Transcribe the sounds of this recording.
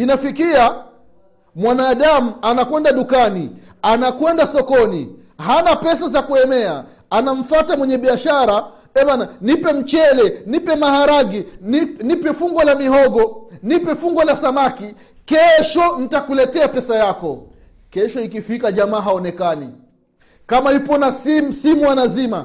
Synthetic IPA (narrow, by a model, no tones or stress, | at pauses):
inafikia | mwanaːɗamuanakwɛndaɗukani | anakwɛndasɔkɔni | hanapɛs̬azakuɛmɛa | anam̩fatamwɛɲɛɓiaʃaɾa | ɛmananipɛm̩t͡ʃɛlɛnipɛmahaɾaɡiinipɛfuŋɡɔlamihɔɡɔnipɛfuŋɡɔlasamaki | kɛʃɔnitakulɛtɛapɛsajakɔ | kɛʃɔikifikaʄamaːɦaɔnɛkanḭ | kamajipɔnasim̩simuanazima